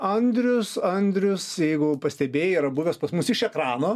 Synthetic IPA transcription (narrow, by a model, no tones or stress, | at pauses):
ɐnʲd̪ʲɾʲʊsɐnʲd̪ʲɾʲʊsjɛɪɡʊpɐsʲt̪ʲɛbʲeːjiɾɐbʊʋʲoːspɐsmʊsɪʃɛkɾɑːnoː